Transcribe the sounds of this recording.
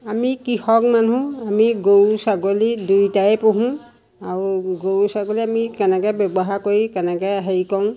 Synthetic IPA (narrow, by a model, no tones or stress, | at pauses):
amikihɔkmanũamiɡowsaɡolidujtajpoɦũ | aɹuɡowsaɡoliamikɛnɛkɛbjɔbɔɦaɹkoɹikɛnɛkɛɦejkɔʊ̃